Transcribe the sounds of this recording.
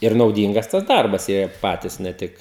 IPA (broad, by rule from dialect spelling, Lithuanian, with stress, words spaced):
ɪr nɐʊˈdʲiːŋɡɐs tɐs ˈdɐrbɐs ˈjiɛ ɪr ˈpɑːtʲiːs nʲɛ ˈtʲɪk